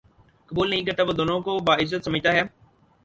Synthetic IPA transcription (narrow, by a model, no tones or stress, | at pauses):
kəbuːlnəɦĩːkəɾt̪aːbəd̪oːnõːkoːbaːɪzːət̪səməd͡ʒt̪aːɦɛː